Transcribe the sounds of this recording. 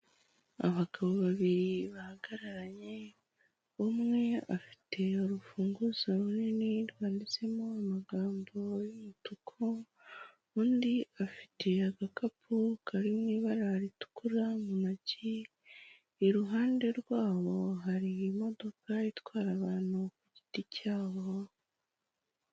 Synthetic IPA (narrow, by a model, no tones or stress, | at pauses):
a̰βaɡ̥aβoβaβiɾiβahaɡ̥aɾaɾaɲe̞ | βumŋe̞afi̥tʰe̞oɾufuːŋɡuzaɾuniniɾwaːndit͡se̞mo̞amaɡaːmbo̞jumitukʰo | uːndiafi̥te̞aɡakapʰukʰaɾimŋiːβaɾaɾitu̥kuɾamumaɟiː | ɾuɦaːnde̞ɾɡwaːβo̞ɦaɾiːmo̞do̞kaitwaːɾaβaːn̥hukuɟiticaːβo